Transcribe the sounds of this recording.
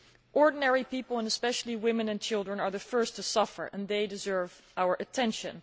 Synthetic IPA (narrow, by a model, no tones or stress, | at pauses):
ʔɔɹdⁿn̩ɛɹipipl̩ˠə̃nəspɛʃl̩ˠiwɪ̃mɨ̃nɨ̃nt͡ʃʰɪlˠdɹə̃nə˞ðɨfɜ˞stʰɨsʌfə̰˞ʔə̰̃nðeɪdɨzɜ˞v | ʔaʊə˞ʔɨtʰɛ̃nʃɨ̰̃n